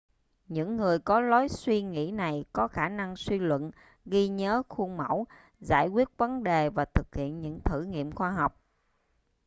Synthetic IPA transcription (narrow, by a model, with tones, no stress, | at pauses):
ɲɨ̰˧˥ŋːɨ˨˩əjkɔ˨˦lɔ˨˦jswi˧ŋḭ˧˥na˨˩jkɔ˨˦xaː˧˩na˧ŋswi˧lwə̰˧˨n | ɣi˧ɲəː˨˦xu˧ŋmə̰˧˩w | za̰ː˧˩jkwi˦˥ət̚və˨˦nɗe˨˩vaː˨˩t̪ʰɨ˨˩k̚hḭ˧˨ənɲɨ̰˧˥ŋt̪ʰɨ˧˩ŋḭ˧˨əmxwaː˧ɦɔ˨˩wk͡p̚